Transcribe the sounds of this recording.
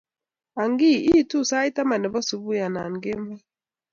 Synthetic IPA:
a˨ŋɡi˦ʔi˦˨tu˦˨sa˦i˦ta˦ma˨nɛ˨bɔ˦su˨bu˦ja˨na˨nɡe˦mbɛ˦

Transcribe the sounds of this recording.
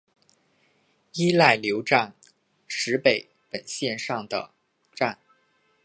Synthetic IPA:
i˥la˥˩ɪljo˧˥ʊʈ͡ʂa˥˩n | ʂɻ̩˧˥pe˨˩˦ɪ | pə˨˩nɕjɛ˥˧nʂɑ˥˩ŋd̪ə̰˩ | ʈ͡ʂa˥˩n

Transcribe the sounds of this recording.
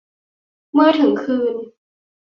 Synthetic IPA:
mɤː˧˥t̪ʰɯ˨˩˦ŋkʰɯː˧n

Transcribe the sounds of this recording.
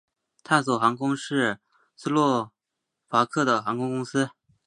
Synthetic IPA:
t̪ʰa˥˩nswɔ˨˩xɑ˧˥ŋkʊ˥ŋʂɻ̩˥˩ | sɹ̩˥lwɔ˥˩ | fa˧˥kʰɤ˥˩d̪ə˩xɑ˧˥ŋkʊ˥ŋkʊ˥ŋsɹ̩˥

